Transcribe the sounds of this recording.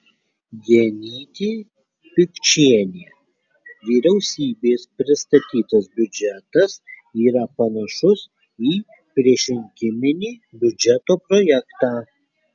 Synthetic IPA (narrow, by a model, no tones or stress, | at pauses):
ɡʲinʲiːt̪ʲiː | pʲɪkʲt͡ʃʲiɛnʲeː | ʋʲiːɾʲɛʊsʲiːbʲeːspʲɾʲɪst̪ɐt̪ʲiːt̪ɐsbʲʊd͡ʒʲɛt̪ɐsiːɾɐpɐnɐʃʊs | iː | pʲɾʲiɛʃʲɪŋʲkʲɪmʲɪnʲiːbʲʊd͡ʒʲɛt̪oːpɾɔjɛkt̪ɑː